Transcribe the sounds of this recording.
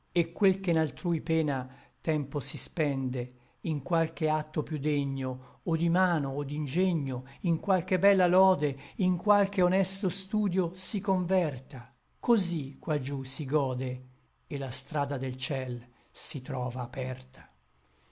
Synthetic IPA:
ekːwelkenalt̪ɾuːjpɛːnat̪ɛmposispɛnd̪e | iŋkwalk̟eat̪ːopjud̪eɲːoːd̪imaːnoːd̪ːind͡ʒeɲːoiŋkwalk̟ebɛlːalɔːd̪eiŋkwalk̟eonɛst̪ost̪uːd̪josikoɱvɛrt̪a | kozikːwad͡ʒusiɡɔːd̪e | elːast̪ɾaːd̪ad̪elt͡ʃɛl | sit̪ɾɔːvaːpɛrt̪ʰḁ

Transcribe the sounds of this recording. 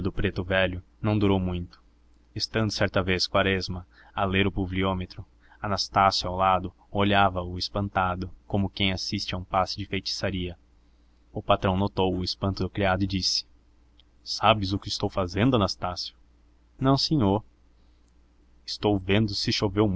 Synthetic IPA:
ʊd̪ʊpɾet̪ʊvɛʎʊnɐ̃w̃d̪uɾowmũj̃t̪ʊ̥ | est̪ɐ̃nd̪ʊsɛɾt̪ɐveskwaɾɛzmɐ | aleɾʊpubliomet̪ɾʊ | ɐnast̪asjʊawlad̪ʊ | oʎavɐʊɪspɐ̃nt̪ad̪ʊkõmʊkẽj̃asist͡ʃɪaũpasɪd͡ʒɪfejt͡ʃi̥saɾiɐ | ʊpat̪ɾɐ̃w̃not̪owʊɪspɐ̃nt̪ʊd̪ʊkɾiad̪ʊɪd͡ʒisɪ̥ | sabɪzʊkɪst̪owfazẽnd̪ʊɐnast̪asjʊ̥ | nɐ̃w̃sẽɲoɾ | ɪ̥st̪owvẽnd̪ʊsɪʃovewm

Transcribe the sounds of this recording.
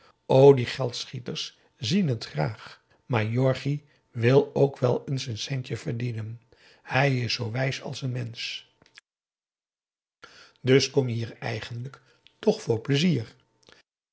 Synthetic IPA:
ʔowdiχɛlˠtsχitəɹs | zinɦətχra̰ːχ | maːɹjɔɹχi | ʋɪlˠowkʋɛlˠənsənsɛncəv̥əɹdinən | hɛjɪsːowʋɛjsɑ̰lˠsənmɛns | dɵskɔmjəɦiːɹɛ̰jχəndlək | tɔχfʊːɹpləziːɹ

